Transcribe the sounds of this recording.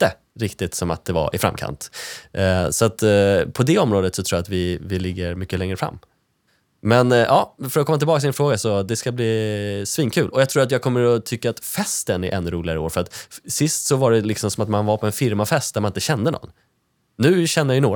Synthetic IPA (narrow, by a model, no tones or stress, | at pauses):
t̪ːə | ɾɪkt̪ɪt̪sɔma̰t̪̚d̪ɛva̰ɪfɾa̰mkʰa̰nt̪ | sɔat̪pʰɔd̪ɛɔmɾoːd̪ət̪sɔt̪ʰɾuːjat̪vɪvɪlɪɡːəɾmʏkːəlɛŋɾəfɾa̰mː | mɛnʔɑːfœɾɔkʰɔmːat̪ɪlbɑːksd̪ɪnfɾoːɡasɔd̪ɛskabliːsviːnkʰʉ̟ːlʔɔjaɡt̪ʰɾuːɾat̪jɑːɡ̚kʰɔmːəɾɔt̪ʰʏkːaːt̪fɛst̪ənɪ̰ʔɛnːɾuːlɪɡaɾəo̰ːɾfœɾat̪sɪst̪sɔvaɖɛlɪksɔmsɔmat̪manvaɾpʰɔɛnfɪɾmafɛst̪̚d̪æmanɪnt̪əɕɛnd̪ənɔ̰nː | ʉ̟ːɕɛnːəjajʏnoː